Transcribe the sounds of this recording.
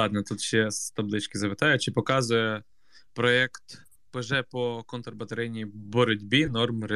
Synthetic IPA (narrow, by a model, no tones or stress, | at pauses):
ɑd̪nɛt̪ut̪ʃɛst̪ɐblˠɪt͡ʃkɪzɐpɪt̪ɑjʊt͡ʃɪpɔkɑzʊjɛ | pɾɔɛkt̪ | pɪʒɛpɔkɔnt̪rbɐt̪ɐɾɛjnʲibɔɾɔdʲbʲinɔrmɾe